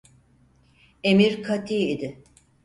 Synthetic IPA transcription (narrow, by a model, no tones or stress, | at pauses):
emiɾkʰat̪ʰiːid̪ɪ